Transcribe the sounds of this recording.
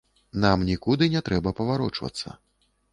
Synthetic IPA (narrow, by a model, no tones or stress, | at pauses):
namnʲikud̪ɨnʲɛt̪ɾɛbɐpɐvaɾɔt͡ʂvɐ̰t̪sːɐ̰